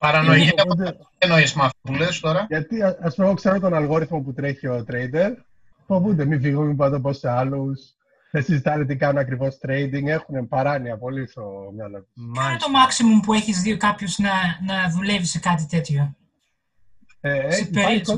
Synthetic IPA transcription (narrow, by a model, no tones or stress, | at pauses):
pɐɾɐnoiud̪e | enoismɐfpulest̪oɾɐʝɐt̪iɐspumɣokseɾot̪o̞nɐlɣo̞ɾiθmo̞put̪ɾeçio̞t̪ɾejd̪e̞ɾ | puɐpund̪emifiɣumipot̪oposːeɐlus | ðesizit̪ɐnet̪̬ikɐnunɐkɾivo̞st̪ɾe̞jd̪iŋɡe̞xunepɐɾɐniɐpo̞lisomɐlont̪omɐksimumpue̞çizðiokɐpçoznɐnɐðule̞visekɐt̪it̪e̞t̪ço̞ | eiɐko